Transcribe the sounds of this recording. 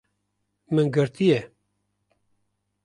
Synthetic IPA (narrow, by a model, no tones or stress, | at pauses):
mɨnɡɨɾt̪ijɛ